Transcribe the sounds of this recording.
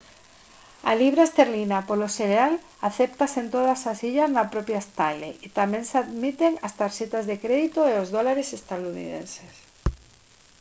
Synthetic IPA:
a̰liβ̞ɾaest̪eɾlinapoloseɾeal | aθept̪asent̪oð̞asasiʎaznapɾopjaest̪aleit̪amẽnsaðmit̪eŋast̪aɾʃet̪azðekɾeðit̪oeozðolaɾesest̪aðunḭðḛnses

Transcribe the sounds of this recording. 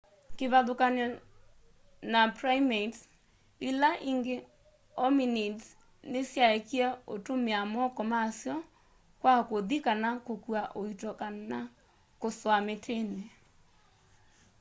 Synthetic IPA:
keβaðokanɔ | napɾaimet | ilaʔiŋɡe | ɔminid | nesjaekiɛotomeamɔkɔmasjɔ | kwakoðikanakokuaʔoitɔkaa | koswametʰene

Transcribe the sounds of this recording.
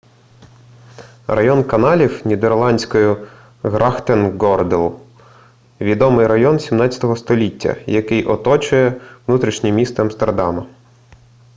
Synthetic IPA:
rɐjɔnkɐnɑlʲiwnʲid̪erlˠɑnʲsʲkɔjʊ | ɣɾʔɑxt̪enɡɔrd̪elˠ | ʋʲid̪ɔmɪjɾɐjɔnsʲimnɑtʲɐ̥t̪ɔɦɔst̪ɔlʲitʲːɐ̰jɐkɪjʔɔt̪ɔt͡ʃʊjɛʋnut̪ɾʲiʃnʲimʲist̪ɛɐmst̪erd̪ɑmɐ

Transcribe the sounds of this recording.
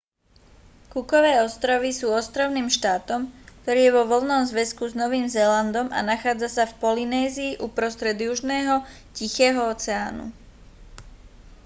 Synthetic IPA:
kukɔʋɛːɔst̪ɾɔʋisuːɔst̪ɾɔʊniːmʃt̪aːt̪ɔmkt̪ɔɾiːjɛʋɔʋɔlnɔmzʋɛskuznɔʋiːmzɛːland̪ɔmʔa̰naxaːd͡zasafpɔlinɛːziːʔupɾɔst̪ɾɛd̪juʒnɛːɦɔ | cixɛːɦɔɔt͡sɛaːnṵ

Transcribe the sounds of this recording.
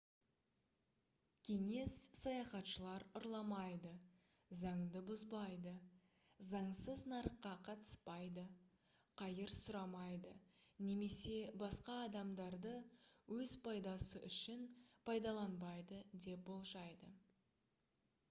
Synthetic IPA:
kʲʰe̞ŋe̞sːɑjɑχɑt̪ʃəlˠɑɾʊɾlˠɑmɑjd̪ə | zɑɴd̪əbʊzbɑjd̪ə | zɑɴsəznɑɾəqːɑqʰɑt̪ə̥spɑjd̪ə | qʰɑjəɾsʊɾɑmɑjd̪ə | ne̞me̞se̞bɑsqɑːd̪ɑmd̪ɑɾd̪əwɵzpʰɑjd̪ɑsəʔʏʃɪnpʰɑjd̪ɑlˠɑnbɑjd̪əd̪e̞p̚bo̞lˠʒɑjd̪ə

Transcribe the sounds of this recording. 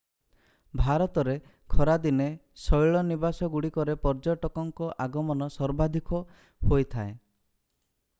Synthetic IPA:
bʱaɾɔt̪ɔɾe | kʰɔɾad̪inesɔjɭɔnibasɔɡuɽikɔɾepɔɾd͡ʒɔʈɔkɔŋkɔʔaɡɔmɔnɔsɔɾbad̪ʱikɔ | hojt̪ʰae

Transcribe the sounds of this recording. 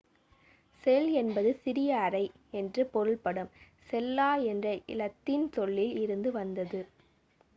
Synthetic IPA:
sɛjlɛnbɐðɯsɪɾɪjɐːɾɐɪ | ɛndrɯpɔɾɯlpɐɽɯm | sɛlːaːɛndrɐʔɪ̰lɐt̪ːɪnt̪ɔɭːɪlɪɾɯnd̪ɯʋɐnd̪ɐðɯ

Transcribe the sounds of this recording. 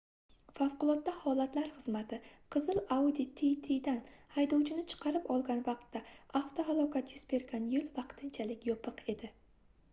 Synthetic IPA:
fafqʊlˠɒt̪̚ːahɒlˠat̪laɾχɨzmat̪ʰɪqʰɨzɨlawd̪it̪ʰit̪ʰijd̪anhajd̪owt͡ʃʰɪnɪt͡ʃʰɨ̥qʰɑɾɪpɒlˠɡʲanvɑqt̪ːaaft̪ʰoɦalˠɒkʲʰat̪jʊzbe̞ɾɡʲanjɪlˠvɑqt̪ʰɪnt͡ʃʰalɪkʲjɒpʰɨqʰe̞d̪ɪ

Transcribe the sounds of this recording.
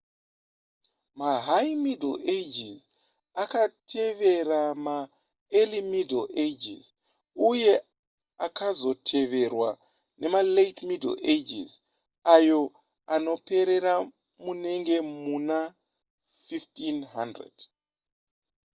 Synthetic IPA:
maɦajmideled͡ʒiz | akatʰe̞ʋe̞rama | elimideled͡ʒḭz | uje̞ | akazo̞tʰe̞ʋe̞rwa | ne̞maletmidḛled͡ʒḭz | ajo̞ | ano̞pe̞ɾe̞ɾa | mune̞ŋɡe̞muna | fiftinɦandrḛd̥

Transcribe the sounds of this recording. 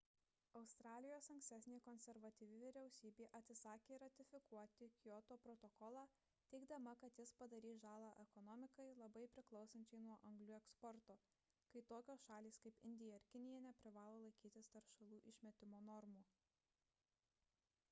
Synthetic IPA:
ɐʊst̪ɾɑːlʲɪjoːsɐŋʲksʲt̪ʲæːsʲnʲeːkɔnʲsʲɛɾʋɐt̪ʲiːʋʲɪʋʲɪɾʲɛʊsʲiːbʲeːʔɐt̪ʲsʲɪsɑːkʲeːɾɐt̪ʲɪfʲɪkuɔt̪ʲɪkʲjɔt̪oːpɾɔt̪ɔkɔːlˠɑː | t̪ʲɛɪɡd̪ɐmɐkɐt̪jɪspɐd̪ɐɾʲiːsʒɑːlˠɑːʔɛkɔnɔmʲɪkɐɪlˠɐbɐɪpʲɾʲɪklˠɒʊsɐnʲt͡ʃʲɛɪnuɔʔɐŋɡlʲʊɛkspɔɾt̪oː | kɐɪt̪oːkʲoːsʃɑːlʲiːskɐɪpɪ̰nʲd̪ʲɪjɛɪɾkʲɪnʲɪjɛnʲɛpʲɾʲɪʋɑːlˠoːlˠɐɪkʲiːt̪ʲɪst̪ɐɾʃɐlˠuːʔɪʃʲmʲɛt̪ʲɪmoːnɔɾmuː

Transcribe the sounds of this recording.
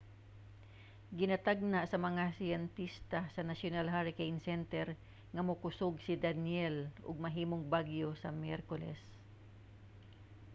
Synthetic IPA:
ɡɪnɐt̪aɡ̚naʔsɐmɐŋasɪjɛnt̪ist̪asɐnasjʊnalɦaɹɪkejnsɛnt̪ɛɾ | ŋɐmʊkʊsʊɡsɪd̪anjɛlʔʊ̰ɡ̚mɐɦiːmoŋbaɡjosɐmjɛɾkolɛ̰s

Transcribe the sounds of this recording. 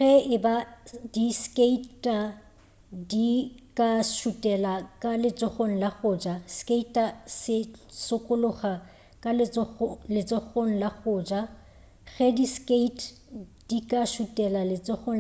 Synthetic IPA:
ɣɛɪbadiskʼeitʼa | dikʼaʃutʼɛlakʼalɪt͡sʼɔχoŋ̩laɣʊːd͡ʒaskʼeitʼasɪsʊkʼʊlʊχa | kʼalɔlɪt͡sʼɔɣoŋ̩laɣʊːd͡ʒa | ɣɛdiskʼeitʼ | d̥ikʼaʃutʼɛlalɪt͡sʼɔχo

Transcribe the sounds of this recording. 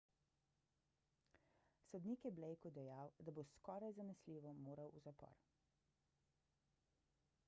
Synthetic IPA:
sɔd̪niːkjɛblɛjkɔd̪ɛjawd̪aboskɔːɾajzanɛsliːʋɔmoːɾawʔuzapɔ̰ɾ

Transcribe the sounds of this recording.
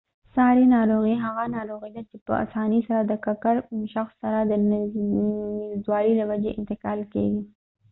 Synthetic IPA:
sɑɾinɑɾoɣiɦaɣanɑɾoɣijd̪at͡ʃepə̰ʔa̰sɑnisaɾad̪əkakaɾʃaxsːaɾad̪ən | ɪzd̪wɑɾilawad͡ʒeʔɪnt̪ɪkɑlkḛɡi

